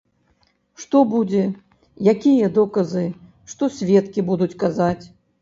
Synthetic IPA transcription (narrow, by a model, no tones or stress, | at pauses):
ʂt̪ɔbud͡zʲɛ | jakʲijɐd̪ɔkɐzɨ | ʂt̪ɔsʲvʲɛt̪kʲibud̪ut͡sʲkazat͡sʲ